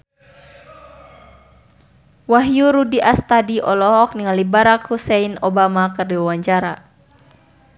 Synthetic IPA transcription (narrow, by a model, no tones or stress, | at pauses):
waɦjuɾudiʔast̪adiʔɔlɔɦɔk̚niŋalibaɾakhusɛinɔbamakɨrdiwawaɲt͡ʃaɾa